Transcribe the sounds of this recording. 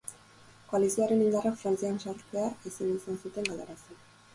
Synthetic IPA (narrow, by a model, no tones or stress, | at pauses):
koalisiaɾe̞nind̪arakfɾant͡sianʃaɾt͡seaisenisansut̪e̞ŋɡald̪aɾase